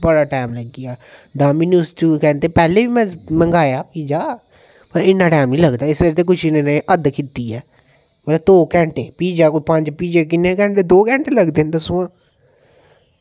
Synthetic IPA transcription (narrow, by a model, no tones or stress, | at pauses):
bəɽaːʈaːmləɡɪaːɖaːminjustuːkɛ̃ːnt̪eːpɛːleːbiːmɛ̃ːmə̃ŋɡaːjaːpiːd͡ʒaː | pəɾɪnːãːʈɛːmnĩːləɡd̪aːɪsɾeɾt̪eːk̬ʊt͡ʃʰɪneneːʔəd̪kɪt̪iːɛː | mələt̪oːkɛ̃ːɳʈeːpiːd͡ʒaːkopə̃ɲd͡ʒpiːd͡ʒeːk̬ɪnːẽkɛ̃ːɳʈeːd̪oːkɛ̃ːɳʈeːləɡd̪eːnd̪əsʊãː